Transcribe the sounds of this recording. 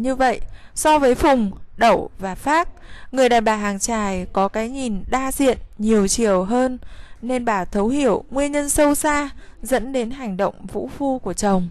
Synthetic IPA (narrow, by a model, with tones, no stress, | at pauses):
ɲɨ˧və̰˧˨j | sɔ˧vəː˨˦jfʊ˨˩ŋ͡mɗə̰˧˩wvaː˨˩faː˦˥k̚ŋɨ˨˩əjɗaː˧˨˩jɓaː˨˩ɦaː˨˩ŋt͡ɕaː˨˩jkɔ˨˦kaː˨˦jɲi˨˩nɗaː˧zḭ˧˨ənɲi˨˩əwt͡ɕi˨˩əwɦəː˧nːe˧nɓaː˧˩t̪ʰə˨˦whi˧˩˨əwŋwi˧ənɲə˧nsə˧wsaː˧zə̰˧˥nɗe˨˦nɦa˨˩jŋ̟ɗə̰˧˨wŋ͡mvṵ˧˥fu˧ku˧˩ət͡ɕə˨˩wŋ͡m